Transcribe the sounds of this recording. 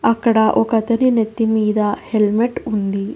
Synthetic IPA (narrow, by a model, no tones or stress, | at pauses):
ɐkːɐɽɐʔokɐt̪ɐɾinet̪ːimiːd̪ɐhelmeʈund̪i